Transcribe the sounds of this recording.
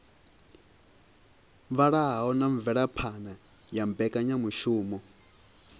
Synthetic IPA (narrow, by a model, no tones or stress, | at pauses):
βaɺaɦaɦɔnaɱ̩vɛɺapʰana | jambɛkʼaɲamuʃuːmɔ